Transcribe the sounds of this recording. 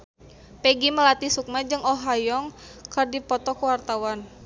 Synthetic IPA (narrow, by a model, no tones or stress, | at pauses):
pɛɡiməlat̪isuk̚mad͡ʒɨŋɔɦajɔŋ | kərdipɔt̪ɔkuwart̪awan